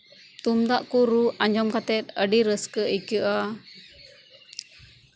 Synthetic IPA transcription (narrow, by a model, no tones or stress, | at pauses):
t̪umd̪aʔkuɾuʔaɲd͡ʒɔmkat̪ɛt̪̚əɖiɾəskəʔikəʔa